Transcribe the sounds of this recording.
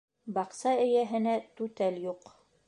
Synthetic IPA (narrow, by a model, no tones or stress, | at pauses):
bɑqsɑɘ̆jæɦɘ̆næt̪ʉt̪æljuq